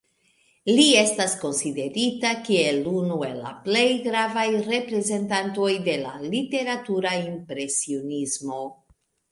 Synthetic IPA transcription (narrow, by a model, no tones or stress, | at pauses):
lie̞stasko̞nside̞ɾitakie̞lunue̞lːa̰ple̞jɡɾavajɾe̞pɾe̞ze̞ntanto̞jde̞la̰lite̞ɾatuɾaimpɾe̞sionizmo̞